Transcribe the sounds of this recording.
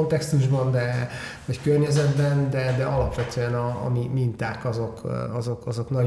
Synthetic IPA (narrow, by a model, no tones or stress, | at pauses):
ont̪ɛkst̪uʒbɒnd̪ɛ | vɒckørɲɛzɛd̪bɛnd̪ɛd̪ɛɒlɒpʋɛt̪øɛnɒ̰ːmimint̪aːkɒzo̞kɒzo̞kɒzo̞knɒ